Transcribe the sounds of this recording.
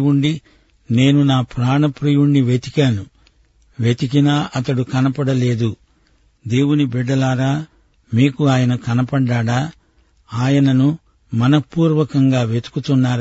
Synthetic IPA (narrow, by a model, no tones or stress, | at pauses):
uɳɖi | ne̞ːnunaːpɾaːɳɐpɾijuɳːiʋet̪i̥kaːnu | ʋet̪ik̬inaːʔɐt̪ɐɽukɐnɐpɐɽɐle̞ːd̪u | d̪e̞ːwunibɛɖːɐlaːɾaː | miːkuaːjɐnɐkɐnɐpɐɖaːɽaː | aːjɐnɐnu | mɐnɐpuːɾʋɐkɐŋɡaːʋe̞t̪u̥kut̪unːaːɾ